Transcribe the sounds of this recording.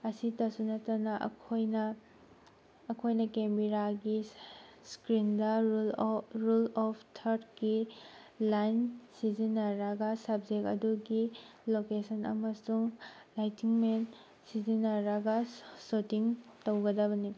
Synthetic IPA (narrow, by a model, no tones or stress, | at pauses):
ɐsitɐsunɐtɐnɐʔɐ̰kʰojnɐ | kʰojnɐkembiɾaɡiskɾindɐ | ɾulɔpʰtʰɐɾtkilajnsizinːɐɾaɡɐsɐb̚d͡ʒekɐ̰duɡilokesɐnɐ̰mɐsuŋlajtiŋmen | sizinːɐɾaɡɐsotiŋtowɡɐdɐβɐni